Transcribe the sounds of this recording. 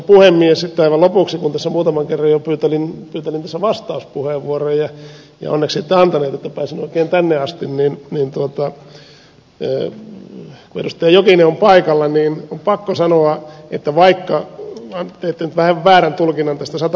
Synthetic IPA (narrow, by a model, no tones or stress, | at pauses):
puhemːiessit̪ːeɑiʋɑlopuksikunt̪æsːæmuːt̪ɑmɑŋkerːɑjjopyːt̪elinpyːt̪elint̪æsːæʋɑst̪ɑuspuheˑʋːuorojjɑ | jɑ̰o̰nːeksit̪ːeɑnt̪ɑneːt̪et̪ːæpæːsinoikeːnt̪ænːeɑst̪inninniːnt̪uot̪ɑ | kuḛdust̪eːjokineompɑikɑlːɑniːnompɑkːosɑnoɑet̪ːæʋɑikːɑɑt̪eet̪ːenyt̪ʋæhæʋʋæːrænt̪ulkinːɑnt̪æst̪æsɑt̪